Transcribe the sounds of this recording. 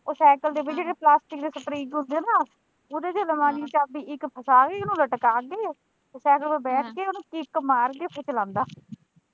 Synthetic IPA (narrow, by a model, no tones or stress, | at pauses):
osɛːkəld̪eːbɪt͡ʃd͡ʒeːɽeːplaːsʈɪkd̪eːsəpɾiːd͡ʒɦʊ̃nd̪eːnaː | oːd̪eːd͡ʒeːləmãːniːt͡ʃaːbiːɪkpʰəsaːɡeːoːnũːləʈkaːɡeː | sɛːkəlbeːbɛːʈʰkeːoːnũːkɪkːmaːɾɡeːpʰet͡ʃlãːnd̪aː